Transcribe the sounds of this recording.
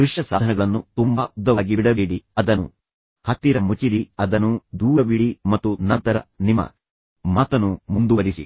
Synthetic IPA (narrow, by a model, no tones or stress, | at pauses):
kɾuʂʈɐsaːd̪ʱɐnɛɡɐɭɐnːut̪umbaud̪ːɐʋaːɡibiɽɐʋiɽiɐd̪ɐnːṵ | hɐt̪ːiɾɐmut͡ʃiɾiɐd̪ɐnːud̪uːɾɐbiɽimɐt̪ːunɐnt̪ɐɾɐ̰nimɐ̰ | maːt̪ɐnumund̪uʋɐɾisḭ